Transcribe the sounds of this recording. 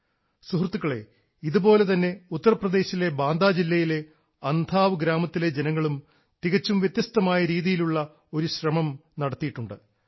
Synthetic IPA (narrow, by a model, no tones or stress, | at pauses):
suɦrt̪ːukːɐɭe̞̰ | iðubo̞ːle̞t̪ɐnːe̞ut̪ːɐrɐprɐd̪e̞ːɕile̞baːnd̪aːd͡ʑilːɐjile̞ | ɐnd̪ʱaːʋɨɡɾaːmɐt̪ːile̞d͡ʑenɐŋːɐɭum | t̪iɣɐt͡ɕːumʋjet̪jɐst̪ɐmaːjɐɾiːðijiluɭːɐ | o̞ɾuɕrɐmɐmnɐɽɐt̪ːijiʈːuɳɖɨ